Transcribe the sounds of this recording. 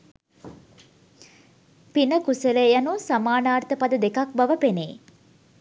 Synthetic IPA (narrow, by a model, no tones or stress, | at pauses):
pinəkusəlejanusamaːnaːrt̪əpad̪əd̪ekak̚baʋəpeneː